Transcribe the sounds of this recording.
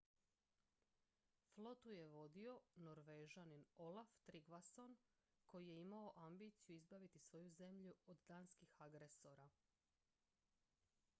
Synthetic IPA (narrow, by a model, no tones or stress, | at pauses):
flo̞t̪uje̞ʋo̞d̪io̞noɾʋeʒanino̞laft̪ɾiɡʋaso̞n | ko̞jije̞imao̞ʔambiːt̪sijuizbaʋit̪isʋo̞juze̞mʎuod̪d̪aːnskixaɡɾe̞so̞ɾa